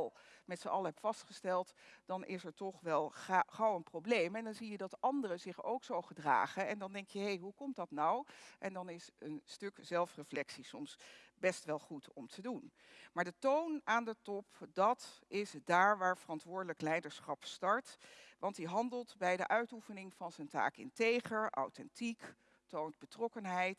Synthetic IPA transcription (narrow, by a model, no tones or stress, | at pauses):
lˠmɛtsəɑlˠɦɛpfɑstχəstɛlˠtd̥ɑnʔɪsɛɹtɔχʋɛlˠχawənprowblejmɛndɑnzijədɑtɑndərəzɪχo̰wksowχədra̰ːχənɛndɑndɛŋkjəɦejɦukɔmtdɑtnɑwʔɛndɑnɪsənstɵkz̥ɛlˠfrəflɛksisɔmsbɛstʋɛlˠχutʰɔmtʰədun | maːɹdətownaːndətɔpdɑtɪsdaːɹʋaːɹvərɑntʋʊːɹdələklɛjdəɹsχɑpstɑɹtʋɑntdiɦɑndəlˠtbɛjdəʔœɥtufənɪŋv̥ɑnzənta̰ːkɪ̰ntejχəʔɑ̰wtɛntik | townt̚bətrɔkənɦɛjt